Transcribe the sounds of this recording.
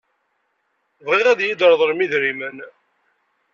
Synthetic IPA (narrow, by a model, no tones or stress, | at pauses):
vʁiʁæðjid̪əɾðˤəɾmiðɾimən